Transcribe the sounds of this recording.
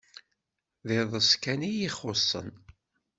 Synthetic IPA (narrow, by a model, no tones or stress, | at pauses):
ðeðˤəskænijiχːosˤːə̰n